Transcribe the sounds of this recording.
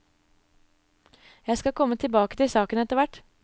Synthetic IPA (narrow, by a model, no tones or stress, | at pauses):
jæɪskɑkʰɔmːət̪ʰɪlbɑːkət̪ɪsɑːkənɛt̪əɾʋæʈ